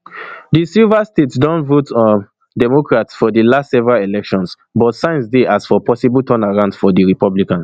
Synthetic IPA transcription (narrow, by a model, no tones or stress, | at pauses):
disilvastetsdɔ̃ntvotɔ | dɛmokɹatsfɔdəlastsɛvɛɹalelɛkʃɔ̃ns | bɔtsãɪ̃nsdeʔasfɔpʰɔsiblˠtʰɔ̃naɹãʊ̃nd̥fɔdiɹipɔblikãns